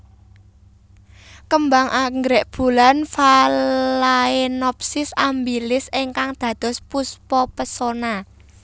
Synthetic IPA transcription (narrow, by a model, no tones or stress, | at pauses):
kəmbaŋʔaŋɡɾɛʔb̥ṳlanfalaenɔp̚sɪsambilɪsiŋkaŋd̪̥ä̤d̪̥ɔ̤spuspɔpəsona